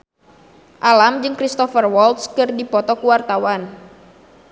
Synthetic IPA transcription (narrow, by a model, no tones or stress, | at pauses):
ʔalamd͡ʒɨŋkɾist̪ɔfərwɔlt̪skɨrdipɔt̪ɔkuwart̪awan